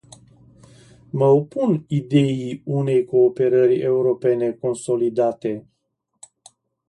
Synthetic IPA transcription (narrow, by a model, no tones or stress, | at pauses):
məopunid̪e̞iune̞jko̞ːpe̞ɾəɾʲe̞uɾo̞pe̞ne̞ko̞nso̞lid̪at̪e̞